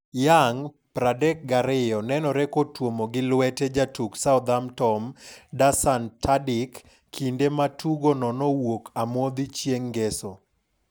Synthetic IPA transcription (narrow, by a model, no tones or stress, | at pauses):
jaŋ | pɾadɛk̚ɡaɾɪjɔnɛnɔɾɛkotwomoɡɪlwɛtɛd͡ʒatuksaɔd̪amtɔmdasantʰadɪkːʰ | indematʰuɡonɔnɔwokʰamod̪it͡ʃjeŋɡɛso